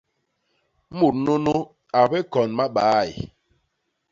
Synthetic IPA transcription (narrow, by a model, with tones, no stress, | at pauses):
mu˨ɾnu˦nu˦ | a˨bɛ˦kɔ˨nma˦ɓaː˨˦˨j̰